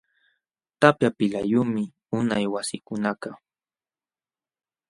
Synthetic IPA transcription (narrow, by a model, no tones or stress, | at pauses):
t̪apjapɪlajʊmɪ | ʊnajwasɪkʊnakɑ